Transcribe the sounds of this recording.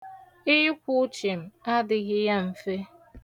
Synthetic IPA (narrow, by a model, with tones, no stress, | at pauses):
ɪ˦ʊ˦kʷʊ˦ʊ˦t͡ʃɪ˨m̩˨a˦dɪ˨ɣɪ˦ja˦m̩˨fe˦